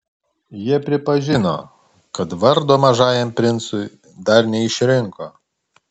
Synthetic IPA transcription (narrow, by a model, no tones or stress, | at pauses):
jiɛpʲɾʲɪpɐʒʲɪno̰ː | kɐt̪ʋɐɾd̪oːmɐʒɑːjɛmpʲɾʲɪnt̪sʊɪ | d̪ɐɾnʲɛɪʃʲɾʲɪŋkoː